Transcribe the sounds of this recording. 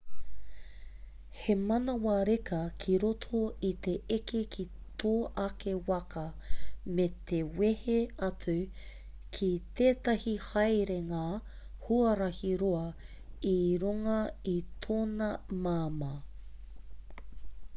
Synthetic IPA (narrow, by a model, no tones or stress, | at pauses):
hemɐnɐwɐɾekɐkʰiɾotʰoit̪e̞ʔekekʰi | t̪ʰoːʔɐkewɐkɐmet̪ʰeweheɐt͡sʉ | kʰit̪eːtɐhihɐjɾeŋaː | huɐɾɐhiɾoɐ | iɾuŋɐitʰoːnɐmaːmɐ